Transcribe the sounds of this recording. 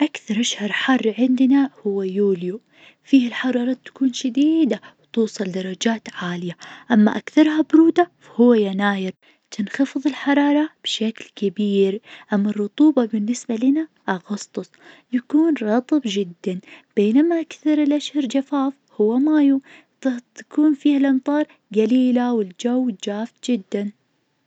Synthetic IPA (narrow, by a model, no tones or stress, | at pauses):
ʔakθɑɾˤʔaʃhɑɾˤħɑrˤːʕɪnd̪nahʊwːajuːlju | fiːhɪlħɑɾˤɑːɾˤɑːt̪ːḁkuːnʃad̪iːd̪awt̪uːsˤɨld̪ɑɾˤːɑd͡ʒaːt̪ʕaːlɪjaʔamːa̰ʔakθɑɾˤhabʊɾuːd̪afahʊwːajanaːjɪɾ | t̪ɪnxɑfɨðˤɪlħɑɾˤɑːɾˤɑb̥ʃaklkabiːɾʔamːɑrˤːʊt̪ˤuːbɑbɪnːɪsbalana | ʔɑɣɑst̪ˤʊsˤ | jakuːnɾˤɑt̪ˤɨbd͡ʒɪd̪ːanb̥eːnamaʔakθɑɾˤɪlʔaʃhɑɾˤd͡ʒafaːf | hʊwːamaːju | t̪t̪ḁkuːnfiːhalʔɑmt̪ˤɑːɾˤ | ɡaliːlawɪld͡ʒawːd͡ʒaːft̪d͡ʒɪd̪ːan